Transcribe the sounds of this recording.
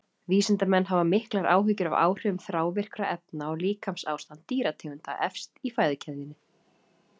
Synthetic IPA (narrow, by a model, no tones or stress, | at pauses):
viːsɪnt̪amɛnːɦavamɪhklaɾʔa̰ːwɦʏcʏɾava̰ːwr̥ʏʏmθɾaːwvɪr̥kɾaʔɛp̚naaliːkʰamsaːwst̪ant̪ːiːɾat̪ʰɛːʏnt̪a̰ʔɛfst̪ifaːjðɪcʰɛððɪnːɪ